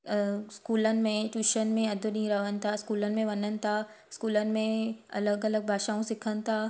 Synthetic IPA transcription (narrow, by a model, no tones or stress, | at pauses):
skuːlənɪ̆mẽʈuːʃənmẽɐd̪ʱʊɗĩːɾɐʋənɪ̆t̪ʰaskuːlənɪ̆mẽʋɐnənɪ̆t̪ʰa | skuːlənɪ̆mẽɐ̰ləɡɐləɡ̚bʱaːʃaːũsɪkʰənɪ̆t̪ʰaː